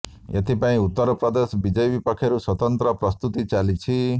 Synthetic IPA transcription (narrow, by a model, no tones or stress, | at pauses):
jʌt̪ipaĩut̪ːʌɾpɾʌd̪esbid͡zʌjbipʌkʰːeɾuswʌt̪ʌnt̪ɾʌprʌst̪ut̪it͡salit͡sʰi